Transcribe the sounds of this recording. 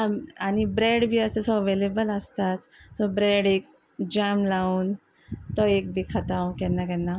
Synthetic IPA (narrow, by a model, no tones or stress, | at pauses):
ãañibɾeɽbʱiəsəsɔʋelebələst̪at̪sɔbɾeɽek̚ | d͡ʑamlauːn | t̪ɔek̚bʱikʰat̪aw̃kɛnːakɛnːa